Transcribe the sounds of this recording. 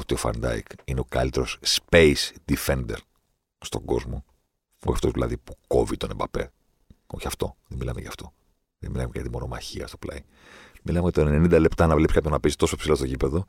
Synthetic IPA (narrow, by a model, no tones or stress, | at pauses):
ot̪io̞fɐ̰ɾnd̪ɐ̰ḭkineo̞kɐ̰lit̪e̞ɾo̞sspeisd̪ife̞nd̪e̞̰ɾ | st̪o̞ŋɡo̞̰zmo̞ | oçɐft̪o̞zðilɐðipu̥ko̞vit̪onembɐpe̞̰ | o̞çɐft̪o̞ðemilɐmeʝɐft̪o̞ | ðemilɐmekɐt̪imono̞mɐçiɐst̪oplɐ̰i | milɐmeʝɐt̪onenenind̪ɐle̞pt̪ɐnɐvlepsi̥kɐpjonɐpezit̪o̞soepsilost̪ocipe̞ðo